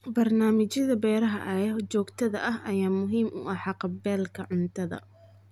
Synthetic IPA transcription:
bɐrnaːmɪt͡ʃjɐðɐbɛːɾɐɦɐ̰ʔɐjt͡ʃɔːɡt̪ʰɐðɐʔɐɦʔɐjaːmʊɦiːmʔʊ̰ʔɑħɑqɑbɛːlkʰɐʕʊnt̪ʰɐðɐ̰

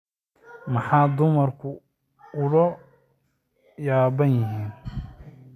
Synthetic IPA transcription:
mɐħɑːd̪ʊmɐrkʰʊ | ʊlɐ | jaːβɐnjɪɦiːn

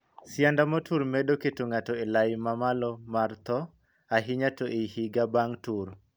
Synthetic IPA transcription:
sjandamɔtuɾmedoketoŋatɔelaɪmamalɔmart̪ɔ | aɦɪɲatoʔehiɡabaŋtuɾ

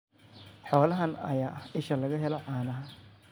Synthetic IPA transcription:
ħɔːlɐɦɐnɐ̰jaːʔɐhɪʃɐlɐɣɐɦɛlɔʕɑːnɐɦɐ

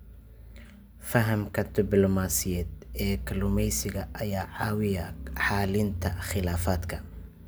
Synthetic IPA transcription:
fɐɦɐmkʰɐd̪ɪblɔmaːsɪjɛːd̪ɛːkʰɐlʊmɛjsɪɣɐʔɐjaːʕɑːwɪjɐħaːlɪnt̪ʰɐχɪlaːfaːd̪kʰɐ

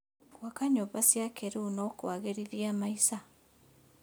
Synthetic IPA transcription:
kwakaɲoβasjakeɾunɔkwaɣeɾiðiamaisa

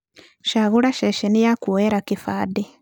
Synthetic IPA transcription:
ʃaɣulaʃeʃinijakuweɾakifaːdi

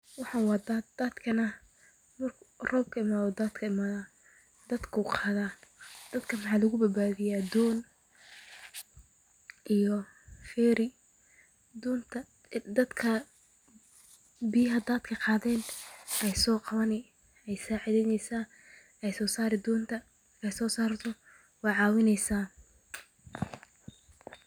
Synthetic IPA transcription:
wɑħɑwɑːd̪ad̪̥ɐd̪kʰɐnɐ | mɐrkʰrɔːb̚kʰɐɪmaːðɔd̪aːd̪kʰɐɪmaːða | d̪̥ɐd̪kʰɐuːqɑːðaːd̪̥ɐd̪kʰɐmɑħɑːlɐɣʊbɐbaːðɪjaːd̪ɔːn | ʔijɔ | xɛːɾɪ | d̪ɔːnt̪ʰɐ | d̪ɐd̪kʰɐ | bijɦɐd̪aːd̪kʰɐqɑːðɛːnʔɛjsɔːqɑβɐnɪ | ɛjsaːʕɪðɛnɛjsaː | ɛjsɔːsaːɾɪd̪ɔːnt̪ʰɐ | ɛjsɔːsaːrt̪ʰɔ | wɑːʕɑːwɪnɛjsaː

